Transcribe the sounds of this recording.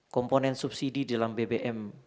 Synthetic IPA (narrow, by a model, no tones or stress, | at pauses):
kɔmponɛnsup̚sididalambebeʔɛm